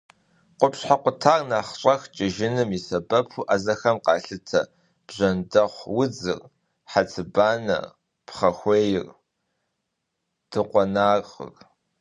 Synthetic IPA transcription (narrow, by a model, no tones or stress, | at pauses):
qʷʊpɕħaqʷʊtʰaːrnaχɕʼɐxt͡ʃʼɪʒɪnɨmisɐbɐpʰuʔaːzɐxɐmqɑːɬɨtʰɐ | b̥ʑɐndɐχʷwʊd͡zɨ̰r | ħat͡sʰɨbaːnɐ̰ | pχɐxʷeːjɪr | d̥ɨqʷɔnaːrqə̰r